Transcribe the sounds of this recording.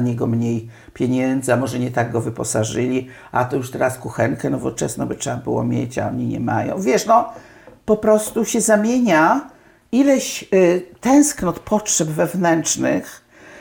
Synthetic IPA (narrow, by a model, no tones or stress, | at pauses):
ɲɛɡɔmɲej | pʲjeɲɛnd̪zɨamɔʐɛɲɛt̪aɡɡɔvɘpɔsaʐɘlʲiʔa̰t̪ɔjuʂt̪ɛɾaskuxɛŋkɛnɔvɔt͡ʂɛ̰snɔbɨtʂɛbabɘ̰wɔ̰mʲjḛt͡ɕa̰ɔ̰ɲiɲɛ̰ma̰jɔ̰̃w̃vʲjɛʂnɔ | pɔpɾɔst̪uɕɛzamʲjeɲa | ilɛɕt̪ɛ̃w̃sknɔt̪pʰɔtʂɛbvɛvnɛnt͡ʂnɨx